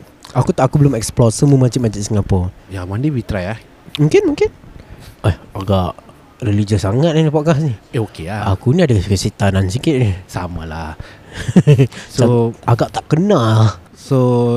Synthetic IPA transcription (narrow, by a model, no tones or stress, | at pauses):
ʔakut̪aʔakubəlʊmɛksplɔsəmumad͡ʒiʔmad͡ʒiʔsəŋapɔjamandiwit̪ɾajah | muŋkɪnmũŋkɪnʔahaɡaʔ | relid͡ʒəsaŋat̪ʔanipaʔkasnieokeaa̰kuniadakkəset̪anansikɪt̪̚nisamalah | soaɡaʔt̪aʔkəna | so